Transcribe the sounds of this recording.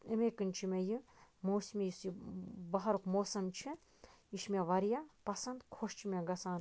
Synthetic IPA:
emeːkɨnʲt͡ʃʰimejɨmoːsimʲejisibɐɦɐɾukmoːsɐmt͡ʃʰi | iʃmʲɐʋɐɾjapɐsɐnd̪kʰoʃt͡ʃʰimʲaɡɐsaːn

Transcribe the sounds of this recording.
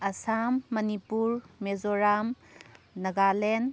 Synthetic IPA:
ɐsamːɐnipuɾmezoɾamː | ɐɡalen

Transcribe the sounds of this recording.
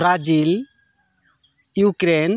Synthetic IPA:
ɾad͡ʒil | jukɾen

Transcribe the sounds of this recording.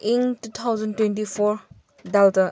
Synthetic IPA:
iŋtut̪ʰawzɐntwẽntipʰɔɾ | daltɐ

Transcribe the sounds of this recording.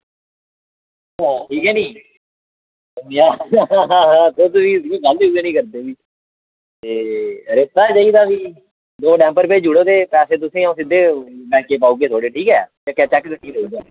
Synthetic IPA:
ɦãːʈʰiːkɦɛːnĩː | əmjaːɦãːɦãːt̪oːt̪oʋiːĩːɡəleuːɡeːnĩːkəɾd̪eːbiː | t̪eːɾeːt̪aːd͡ʒaiːd̪aːʋiː | d̪oːɖɛ̃ːmpəɾped͡ʒʊɽoːt̪eːpɛːseːt̪̬ʊsẽːãːsɪd̪eːbɛ̃ːkeːpaːuːɡeːt̪ʰoːɽeːʈʰiːkɛ̰ːd͡ʒakɛːt͡ʃɛːkd̪əkːiːnoːuɡ̪aː

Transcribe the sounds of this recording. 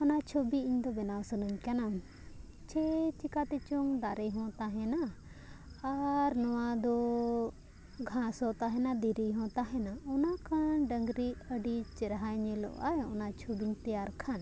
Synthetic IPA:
ɔnat͡ʃʰobiiɲd̪ɔbɛnawsənəɲkana | t͡ʃʰɛt͡ʃikat̪ɛt͡ʃɔŋd̪aɾɛjɦɔ̃t̪aɦɛ̃na | aɾnɔwad̪ɔ | ɡʱãsɔt̪aɦɛnad̪iɾiɦɔ̃t̪aɦɛnaɔnakʰanɖəŋɡɾiʔəɖit͡ʃɛɾɦajɲɛlɔ̰ʔa̰jɔ̰nat͡ʃʰobiɲt̪ɛaɾkʰan

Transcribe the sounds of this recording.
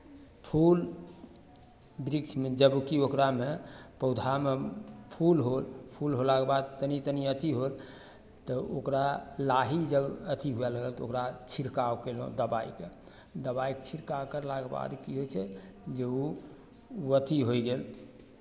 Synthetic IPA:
pʰul | bɾikt͡ʃʰmed͡ʒəbukiokɾamepəʊd̪ʱampʰulɦolpʰulɦolakebad̪̚t̪ənit̪əniət̪iɦol | t̪ɔokɾalaɦid͡ʒəbət̪ʰiɦuɛləɡəlt̪ɔokɾat͡ʃʰiɾkawkelõ̰d̪əbaike | d̪əbaikt͡ʃʰiɾkakəɾlakeba̰d̪kiɦojt͡ʃʰɛ | d͡ʒeu | uət̪iɦojɡel

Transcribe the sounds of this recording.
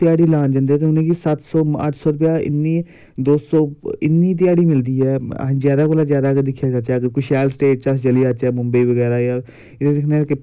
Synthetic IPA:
t̪ɪjaːɽiːlaːnd͡ʒə̃nd̪iːɛːt̪̬eːʊnẽːkisət̪sɔːə̰ʈʰsɔːɾʊp̬jaːɪ̰nːiː | d̪oːsɔːɪnːiːt̪̬ɪjaːɽiːmɪld̪iːɛ̰ːzjaːd̪aːkoːlaːzjaːd̪aːked̪ɪkʰːjaːt͡ʃat͡ʃaːkkʊʃɛːlsʈeːʈt͡ʃəst͡ʃəliːat͡ʃɛːmʊmbiːʋəɡɛːɾaːjaː | ɪd̪ed̪ɪkʰneːkɪ

